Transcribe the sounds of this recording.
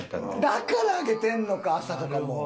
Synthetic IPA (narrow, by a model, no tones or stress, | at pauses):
d̪akaɾaːɡet̪ẽnnokaːsakaɾamo